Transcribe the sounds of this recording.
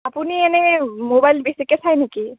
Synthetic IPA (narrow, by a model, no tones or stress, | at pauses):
apuniɛnɛmobajlbesikɛsʰajneki